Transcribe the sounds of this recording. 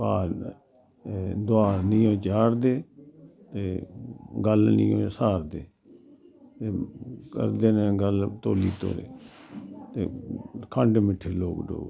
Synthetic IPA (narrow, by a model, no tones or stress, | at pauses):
paːɾ | d̪ʊaːɾnĩːõːt͡ʃaːɾd̪eːt̪eːɡəlnḭ̃ːõ̰ːsaːɾd̪eː | t̪eːkə̰ɾd̪eːnẽːɡəlt̪oːliːt̪o̰ːɾḛː | t̪eːkʰəɳɖmɪʈʰeːloːkɖo̰ːɡ